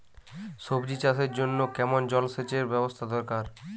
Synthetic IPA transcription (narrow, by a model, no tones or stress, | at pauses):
ʃobd͡ʑit͡ɕaseɾd͡ʑonːokɛmond͡ʑɔlset͡ɕeɾbɛbost̪ʰad̪ɔɾkaɾ